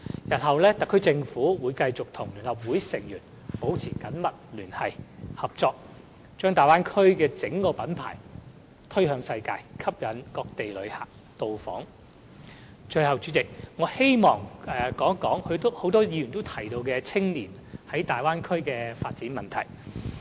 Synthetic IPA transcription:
jɐ˨t̚hɐ˨wlɛː˥t̪ɐ˨kʰːɵ˥ɥt͡sɪ˧ŋfuː˨˥wuː˨˧jkɐ˧jt͡sʊ˨k̚t̪ʰʊ˨˩ŋjy˨˩nhɐ˨˩p̚wuː˨˧jsɪ˨˩ŋjyː˨˩n | po˨˥wt͡sʰiː˨˩kɐ˨˥nmɐ˨t̚lyː˨˩nhɐ˨jhɐ˨p̚t͡sɔː˧k̚ | t͡ʃœː˥ŋt̪aː˨jwaː˥nkʰɵ˥ɥkɛː˧t͡sɪ˨˥ŋkɔː˧pɐ˨˥npʰa̰ː˨˩j | t̪ʰɵ˥ɥɦœː˧ŋsɐ˧jkaː˧jkʰɐ˥p̚jɐ˨˥nkɔː˧k̚t̪e˨jlɵ˨˧˥haː˨˩k̚ | t̪o˨wfɔ̰ː˨˥ŋ | t͡ʃɵ˧ɥhɐ˨wt͡ʃyː˨˥t͡sɪ˨k̚ŋɔː˨˧he˥jmɔː˨˩ŋɛː˨kɔː˨˥ŋkɔː˨˥ŋhʰɵ˨˧t̪o˥who˨˥wt̪ɔː˥jiː˨˧jy˨˩nt̪o˥wt̪ʰɐ˨˩jt̪o˧wkɛː˧t͡sʰɪ˥ŋliː˨˩n | hɐ˨˥jt̪aː˨jwaː˥nkʰɵ˥ɥkɛː˧faː˧t̚t͡siː˨˥nmɐ˨nt̪ʰɐ̰˨˩j

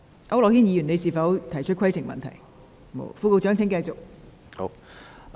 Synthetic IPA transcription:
ʔɐ˥wlɔ˨hiː˥njiː˧y˨˩ne˨˧jsiː˨˧fɐ˨˥wt̪ʰɐ˨˩jt͡ʃʰɵ˥t̚kʰɐ˥jsɪ˨˩ŋmɐ̰˨nt̪ʰɐ̰˨˩j | mo̰˨˧wfuː˧ko˧wt͡ʃœː˨˥ŋt͡sʰɪ˥ŋkɐ˧jt͡sʊ˨k̚

